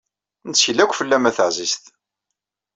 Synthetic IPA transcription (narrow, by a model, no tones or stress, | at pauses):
nsəlːækʷːfəlːæmæθəʕzist̪